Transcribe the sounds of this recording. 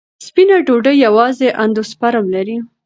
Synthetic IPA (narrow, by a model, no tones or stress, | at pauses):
spinaɖoɖəjawɑzeʔand̪ospaɾamlaɾi